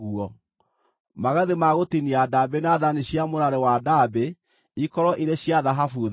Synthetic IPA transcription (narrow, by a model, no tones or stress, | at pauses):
ɣuɔ | maɣaðemaɣotiniadaːbenaðaniɕjamoɾaɾewadabe | ikɔɾɔʔiɾeɕjaðaɦafuð